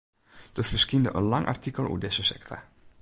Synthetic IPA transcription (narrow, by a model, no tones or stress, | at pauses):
d̥əfəskindəʔə̰nlɑŋʔa̰rtikəlˠṵdesəsɛ̰ktʰa̰